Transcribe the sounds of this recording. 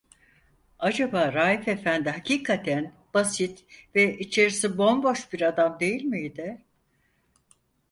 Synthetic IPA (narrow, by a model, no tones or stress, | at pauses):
ad͡ʒabaːɾaːife̞fænd̪iɦacʰiːkʰat̪ʰæn | b̥asit̪vɛit͡ʃʰe̞ɾisibo̞nbo̞ʃbiɾad̪amd̪e̞jilʲmid̪ɛ